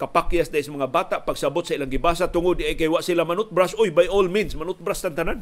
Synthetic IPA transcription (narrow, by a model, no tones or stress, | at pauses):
kapakjasd̪aʔjsamaŋabaːt̪aʔpaɡsabʊt̪saʔilaŋɡɪbasat̪ʊŋʊd̪̚ːɪʔajkajwaʔsilamanʊt̪̚bɾasʊjbajolminsmanʊt̪̚bɾast̪ant̪anan